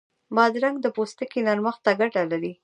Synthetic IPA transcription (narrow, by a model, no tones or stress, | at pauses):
bɑd̪ɾaŋɡd̪əpost̪əkinaɾməxt̪aɡaʈalaɾi